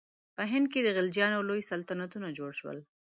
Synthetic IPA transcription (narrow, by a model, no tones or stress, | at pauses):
pəɦɪnd̪̚ked̪əɣɪld͡ʒjɑnalojsalt̪anat̪unad͡ʒoɽʃwə̰l